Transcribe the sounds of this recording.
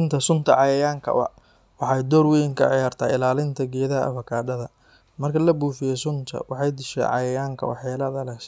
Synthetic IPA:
ɪnt̪ʰɐsʊnt̪ʰɐʕɑjɐjaːŋkʰɐ̰wɐ̰ | wɑħɑjd̪ɔːrwɛjŋkʰɐ̰ʕɪjaːrt̪ʰaːɪlaːlɪnt̪ʰɐɡɛːðɐɐ̰fɐkʰaːɖɐðɐ | mɐrkʰɐlɐbuːfɪjɔsʊnt̪ʰɐ̰wɑħɑjd̪ɪʃɛ̰ʕɑ̰jɐjaːŋkʰɐ̰wɑ̰ħjaːlɐðɐlɐʃ

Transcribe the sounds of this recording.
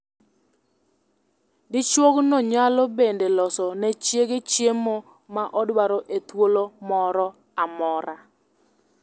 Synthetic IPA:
dɪt͡ʃwoɡnɔɲalɔbendelɔsɔnɛt͡ʃjeɡet͡ʃjemo | maʔɔdwaɾɔʔet̪wolomɔɾɔ | amɔɾa

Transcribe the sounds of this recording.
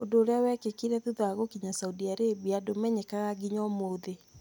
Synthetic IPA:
ondoːɾeawɛkekiɾɛðuðɔaɣokiɲasaudiaɾebiadomɛɲekaɣaɡiɲɔmoðe

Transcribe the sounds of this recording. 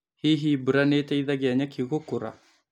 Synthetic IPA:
hiɦibɨɾanetaiðaɡeaɲakiɣokuɾa̰

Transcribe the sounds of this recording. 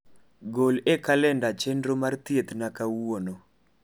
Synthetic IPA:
ɡolekalɛndat͡ʃendɾomart̪iet̪nakawono

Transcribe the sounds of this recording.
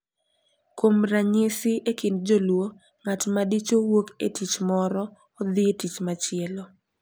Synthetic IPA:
kwomɾaɲɪsɪʔekɪnd͡ʒolwo | ŋatmadit͡ʃowoketit͡ʃmɔɾɔː | d̪ɪetit͡ʃmat͡ʃɪɛlo

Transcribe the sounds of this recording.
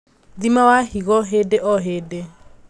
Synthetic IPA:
ðimawahiɣɔɦedeʔɔɦede

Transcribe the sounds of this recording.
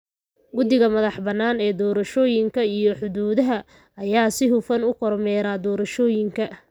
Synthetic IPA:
ɡʊd̪ɪɣɐmɐðɑħbɐnːaːnɛːd̪ɔːɾɐʃɔːjɪŋkʰɐijɔħʊðuːðɐɦɐ | ɐjaːsɪɦʊfɐnʊkʰɔrmɛːɾaːd̪ɔːɾɐʃɔːjɪŋkʰɐ

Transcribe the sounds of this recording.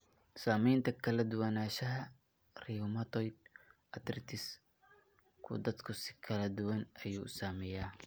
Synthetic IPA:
saːmɛjnt̪ʰɐkʰɐlɐd̪ʊwɐnaːʃɐɦɐ | riʊmɐt̪ʰɔjd̪̚ʔɐd̪rɪ̰t̪ʰɪs | kʰʊ̰d̪ɐd̪kʰʊsɪ̥kʰɐlɐd̪ʊwɐnʔɐjuːsaːmɛjaː

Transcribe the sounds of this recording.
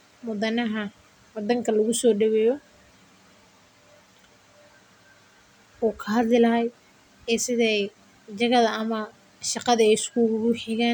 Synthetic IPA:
mʊðɐnɐɦɐ | wɐd̪ɐŋkʰɐlɐɣʊsɔːɖɐβɛjɔ | ɔːkʰɐɦɐd̪lɪlɐɦɛj | ɛːsɪðɛj | d͡ʒɐɣɐðɐɐmɐ | ʃɑqɑðɐɛjɪskʰuɣɾʊħɪɣaːn

